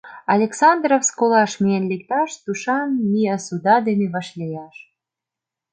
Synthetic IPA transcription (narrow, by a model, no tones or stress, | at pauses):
ɑlʲeksɑnd̪rofskolɑʃmienlek̚t̪ɑʃt̪uʃɑnmiɑsud̪ɑd̪eneβɑʃlʲejɑʃ